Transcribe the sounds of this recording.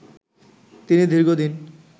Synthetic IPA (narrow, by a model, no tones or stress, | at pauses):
t̪inid̪ʱiɾɡod̪in